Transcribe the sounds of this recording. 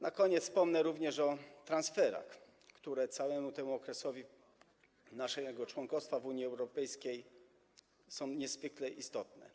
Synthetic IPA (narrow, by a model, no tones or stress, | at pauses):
nakɔɲɛt̪spɔmnɛɾuvɲɛʂɔt̪ɾansfɛɾa̰x | kt̪uɾɛt̪sawɛmut̪ɛmuɔkɾɛsɔvʲi | naʂɛɡɔt͡ʂwɔŋkɔfst̪favuɲiɛwɾɔpɛjskʲej | sɔ̃w̃ɲɛzvɘklɛʔist̪ɔt̪nɛ̰